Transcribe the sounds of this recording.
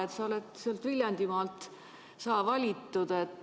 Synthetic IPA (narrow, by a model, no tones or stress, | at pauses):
et̪sɑolet̪seɑlt̪vilʲjɑnd̪̥imɑːlt̪ˑ | sɑːvɑlʲit̪ːud̪̥et̪ː